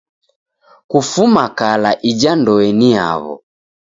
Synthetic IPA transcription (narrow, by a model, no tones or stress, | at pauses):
kufumakalaʔid͡ʒandɔɛnia̰βɔ̰